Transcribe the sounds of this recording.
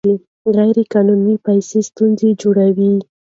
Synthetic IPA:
li | ɣajɾekɑnunipajsest̪unzed͡ʒoɽawi

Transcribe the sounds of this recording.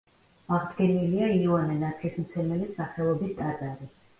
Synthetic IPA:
aʁd̪ɡɛniliaianɛnat̪sʰismt̪sʰɛnɛlisaχɛlˠɔbist̪ʼat̪ʼaɾi

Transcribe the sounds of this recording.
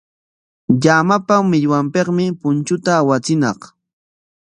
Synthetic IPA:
ʎamapamɪʎwampeqmɪpʊnt͡ʃʊt̪aːwat͡sɪnɑ̰χ

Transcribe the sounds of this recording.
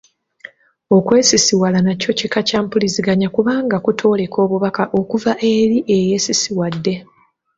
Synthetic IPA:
o̞kwe̞ːsisiwalanaco̞cikacaːmpuliziɡaɲakuβaːŋɡakutʰo̞ːle̞kʰo̞ːβuβakaʔo̞kuvaʔe̞ɾiʔe̞je̞ːsisiwadːe̞

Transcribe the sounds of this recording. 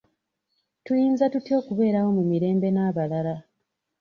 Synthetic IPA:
tujiːnzatutio̞ːkuβe̞ːɾawo̞mumiɾe̞ːmbe̞naːβalala

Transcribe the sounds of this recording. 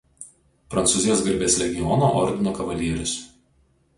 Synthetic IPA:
pɾɐnt̪sʊzʲɪjoːsɡɐɾʲbʲeːsʲɾʲɛɡʲɪjɔnoːʔɔɾʲd̪ʲɪnoːkɐʋɐlʲiɛɾʲʊs

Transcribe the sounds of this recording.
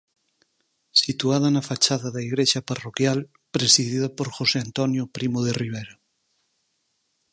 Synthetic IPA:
sit̪uað̞anafat͡ʃaðaðaiɣɾeʃaparokjal | pɾesiðiðapoɾxoseant̪onjopɾimoðeriβ̞ejɾa

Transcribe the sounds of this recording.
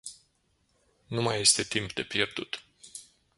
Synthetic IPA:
numaje̞st̪e̞t̪impd̪e̞pje̞rd̪ut̪

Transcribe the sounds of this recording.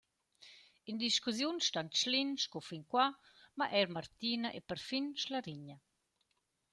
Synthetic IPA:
ind̪iʃkuzjunʃtanʃlinʃkofiŋkwa | maʔɛɾmaɾt̪iːnaʔepəɾfinʃlaɾiɲə

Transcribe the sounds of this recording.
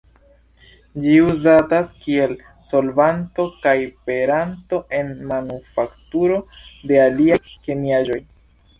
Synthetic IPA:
d͡ʒiuzataskie̞l | so̞lvanto̞kajpe̞ɾanto̞ʔe̞nmanufaktuɾo̞de̞aliajke̞miaʒo̞j

